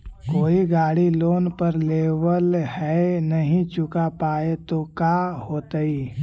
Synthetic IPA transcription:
koːiɡaːɽiloːnpəɾleːʋəlhɛnəɦĩt͡ʃʊkapaːet̪okahoːt̪əi

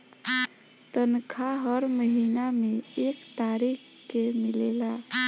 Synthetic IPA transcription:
t̪ənkʰaɦəɾməɦinameekt̪aɾik | kemilela

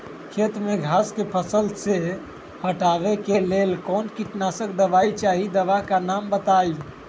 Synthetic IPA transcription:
kʰet̪meɡʱaskepʰəsəlse | həʈabekelelkɔnkiʈnasək̚d̪əʋait͡ʃaɦid̪əʋakanambət̪aj

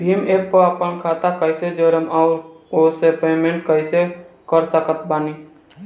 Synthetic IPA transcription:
bʱiːmeːk̚pəəpənkʰaːt̪akəɪsed͡ʒəɾəmɔːɾ | osepeːmẽɳʈ̚kəɪsekəɾsəkət̪baːni

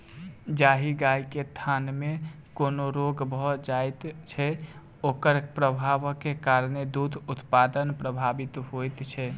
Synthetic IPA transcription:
d͡ʒaɦiɡajket̪ʰanme | konoɾoɡbʱɔd͡ʒajt̪t͡ʃʰɛ | okəɾpɾəbʱaʋkekaɾned̪ud̪ʱut̪pad̪ənpɾəbʱabit̪ɦojt̪t͡ʃʰɛ

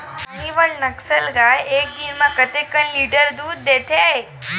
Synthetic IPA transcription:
niʋəɭnəksəlɡajek̚d̪iɾmakət̪ekənliɖəɾd̪uːd̪̚ːet̪ʰeaɦe

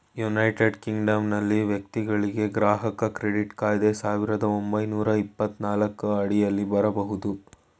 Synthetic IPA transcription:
junɐjʈeɖkiŋɡɖɐmnɐlːiʋjɐk̚t̪iɡɐɭiɡe̞ɡɾaːɦɐkɐkɾeɽiʈkaːjd̪e̞saːʋiɾɐd̪ɐombɐjnuːɾɐipːɐt̪naːlɐkːuɐɽijɐlːibɐɾɐbɐɦud̪u

